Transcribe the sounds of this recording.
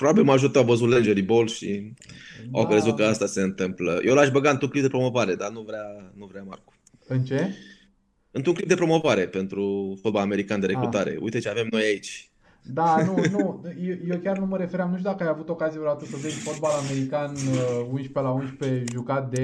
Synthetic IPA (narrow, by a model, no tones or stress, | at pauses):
pɾobabilməaʒut̪əawvəzut̪lend͡ʒeɾibo̞lʃḭ | awkɾe̞zut̪̚kəast̪ase̞ɨnt̪ɨmpləjewlaʃbəɡaɨnt̪ɾuŋklip̚d̪e̞pɾo̞mo̞vaɾe̞d̪anuvɾeanuvɾeama̰rku̥ | ɨnt͡ʃe̞ | ɨnt̪ɾuŋklip̚d̪e̞pɾo̞mo̞vaɾe̞pe̞nt̪ɾufot̪̚balame̞ɾikand̪eɾekɾut̪aɾe̞̰ṵjt̪et͡ʃeave̞mno̞jait͡ʃʲ | d̪aunujejewkʲarnuməɾe̞feɾamnuʃt̪ud̪akəajavut̪o̞kazijeɾat̪usod̪esfot̪̚balame̞ɾikanəunʃpelaunʃpe̞ʒukat̪̚d̪e̞